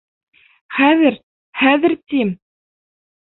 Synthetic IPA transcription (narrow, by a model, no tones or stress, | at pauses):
χæðɘɾ | χæðɘ̆ɾt̪im